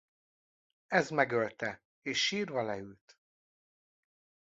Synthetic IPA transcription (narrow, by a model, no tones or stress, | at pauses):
ɛzmɛɡølt̪ɛ | eːʃːiːrvɒlɛylt̪